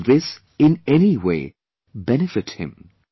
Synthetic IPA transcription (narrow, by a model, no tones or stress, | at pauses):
ðɪs | ɪ̃nɛniweɪ | bɛnɨfɨt̚hɪ̰̃m